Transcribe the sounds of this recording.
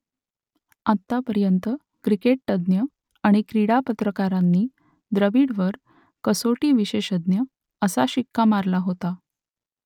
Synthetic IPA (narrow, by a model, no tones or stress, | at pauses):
at̪ːapəɾjənt̪ə | kɾikeʈ̚ːəd̪njə | aɽ̃ikɾiɽapət̪ɾəkaɾanːiː | d̪ɾəʋiɽʋəɾ | kəsoʈiːʋiɕeɕəd̪njə | əsaɕikʰːamaɾlaɦot̪a